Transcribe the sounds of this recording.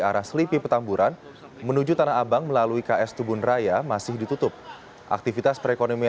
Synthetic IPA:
aɾahsəlipipət̪ambuɾʔan | mənud͡ʒut̪anaabaŋməlaluikaɛst̪ubʊnrajamasɪhdit̪ut̪ʊp̚ | ʔa̰k̚t̪ifit̪aspəɾekonomi

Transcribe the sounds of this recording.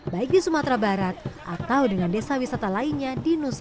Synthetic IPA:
baɪk̚disumat̪ɾabaɾat̪̚ʔat̪awdəŋandesawisat̪alainɲadinusa

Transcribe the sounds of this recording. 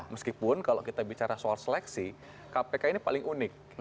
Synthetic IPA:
məskipʊnkalokit̪abit͡ʃaɾasoalsəlɛksi | kapekainipalɪŋunɪk̚

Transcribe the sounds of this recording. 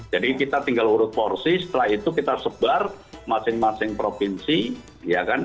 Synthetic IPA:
d͡ʒadikit̪at̪iŋɡaluɾʊt̪̚porsisə̥t̪əlahit̪ukit̪asəb̥ar | masɪŋmasɪŋpɾofinsi | jakan

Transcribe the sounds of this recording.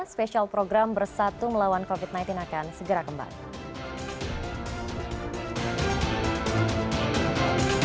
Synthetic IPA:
speʃialpɾoɡɾambərsat̪uməlawankofit̪̚najnt̪inakansəɡəɾakəmba̰ŋ

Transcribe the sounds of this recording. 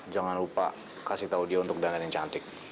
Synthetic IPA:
d͡ʒaŋanɾupa̰ | kasit̪audiaunt̪ʊk̚dananiɲt͡ʃant̪ɪk̚

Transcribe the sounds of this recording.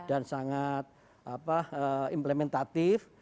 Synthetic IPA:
d̥ansaŋat̪̚ | apahəimplemɛnt̪at̪ɪf

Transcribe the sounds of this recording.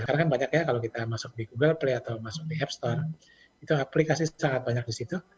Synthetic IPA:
kaɾakanbaɲakjakalokit̪amasʊk̚diɡuɡəlpleat̪awmasʊk̚diɛpst̪ɔr | it̪uaplikasisaŋat̪̚baɲak̚disit̪u

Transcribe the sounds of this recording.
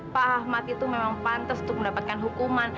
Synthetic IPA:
paɦahmat̪it̪umemaŋpant̪asunt̪ʊk̚məndapat̪̚kanɦukuman

